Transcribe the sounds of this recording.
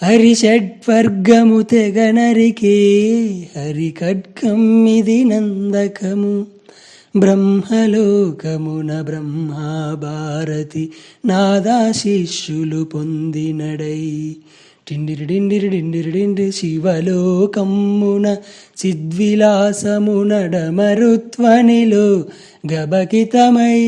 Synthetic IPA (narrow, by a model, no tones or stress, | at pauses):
ɐɾiʃɛɖʋɐɾɡɐmut̪ɛɡɐnɐɾikeː | ɐɾikɐɖ̚kɐmːid̪inɐnd̪ɐkɐmu | bɾɐmhɐlɔːkɐmunɐbɾɐmːɐbʱaːɾɐt̪inaːd̪aːʃiʃjulupond̪inɐɽɐj | ʈiɳɖiɾiɖiɳɖiɾiʈiɳɖiɾiʈiɳɖiʃiʋɐlɔːkɐmːunɐ | t͡ʃid̪ʋilaːsɐmunɐɖɐmɐɾut̪ʋɐniloː | ɡɐbɐkit̪ɐmɐj